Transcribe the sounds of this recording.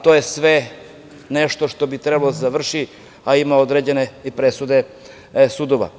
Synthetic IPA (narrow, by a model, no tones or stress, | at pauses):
t̪o̞jesʋe̞ | neʃt̪o̞ʃt̪o̞bit̪ɾebalod̪azaʋr̩ʃi | aimaod̪ɾed͡ʑe̞ne̞ipɾe̞sud̪e̞ | sud̪oʋa̰